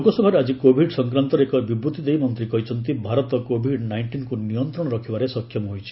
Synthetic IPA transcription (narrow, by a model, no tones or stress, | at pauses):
okɔsɔbʱaɾead͡ʒikobʱiɖsɔŋkɾant̪ɔɾekɔbibɾut̪id̪ejmɔnt̪ɾikɔɦit͡ʃʰɔnt̪ibʱaɾɔt̪ɔkobʱiɖnajɳʈinkunijɔnt̪ɾɔɽ̃ɔɾɔkʰibaɾesɔkʰːjɔmɦojt͡ʃʰi̥